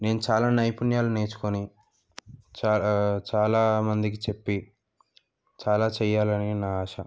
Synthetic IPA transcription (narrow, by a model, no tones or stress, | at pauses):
ne̞ːnut͡ʃaːlaːnɐjpunjaːlune̞ːt͡ʃu̥koni | t͡ʃat͡ʃaːlaːmɐnd̪ik̬it͡ʃe̞pːi | t͡ʃaːlaːt͡ʃɛːjːaːlɐninaːaːʃɐ